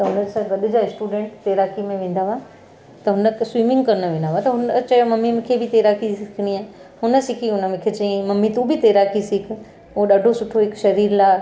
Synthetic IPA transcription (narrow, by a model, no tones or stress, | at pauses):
t̪ɐɦʊnəd͡ʑesaʋɐɗʊ̆d͡ʑaɪsʈuːɖẽːɳʈt̪eːɾaːkʰimẽʋẽːn̆d̪aːʋa | t̪ɐɦʊnəkswiːmɪ̃ŋɡkɐɾnəʋẽːn̆d̪aːʋat̪ɐɦʊnt͡ɕɐjomɐmːim̃kʰebʱɪt̪eːɾaːkisɪkʰɪɽ̃iaːɦʊnə̆sɪkʰiɦʊnəmẽkʰet͡ɕɐẽmɐmːit̪ũbʱɪt̪eːɾaːkisɪk̆ʰ | oɗaːɖʱosʊʈʰoɦɪkʃɐɾiːɾlaː